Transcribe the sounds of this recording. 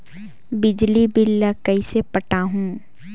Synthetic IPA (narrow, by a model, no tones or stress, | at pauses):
bɪd͡ʒlibɪlːəkəisepɐʈaɦũː